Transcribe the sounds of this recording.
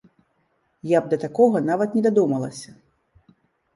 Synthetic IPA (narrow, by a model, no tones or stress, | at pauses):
jab̚d̪ɐt̪akɔɣɐnavɐt̪nʲɛd̪ad̪umɐlˠɐsʲɐ